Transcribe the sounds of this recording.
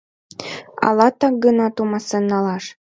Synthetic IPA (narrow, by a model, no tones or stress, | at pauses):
ɑ̰lɑt̪ɑk̚ɡənɑt̪umɑsenːɑlɑʃ